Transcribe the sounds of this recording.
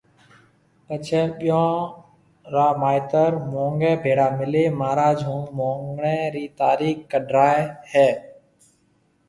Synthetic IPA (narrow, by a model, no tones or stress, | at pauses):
kət͡ʃʰɛːɓɪjõː | ɾaːmaːɪt̪əɾmõːŋɡɛːbʱeːɽaːmɪleːmaːɾaːd͡ʒʱɦũːmõːŋɡɳɛːɾiːt̪aːɾiːkːəɖʱɾaːehɛː